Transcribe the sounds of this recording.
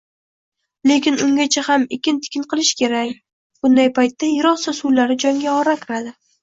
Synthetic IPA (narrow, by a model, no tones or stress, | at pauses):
le̞kʲɪnʊŋɡʲat͡ʃʰahamekʲɪnt̪ʰɪ̥kʲɪnqɨlˠɪʃkʲe̞ɾakʲ | b̥ʊnd̪ajpʰajt̪ːajɪɾɒsasulaɾɪd͡ʒɒŋɡʲaɒɾakʲʰɪɾad̪ɪ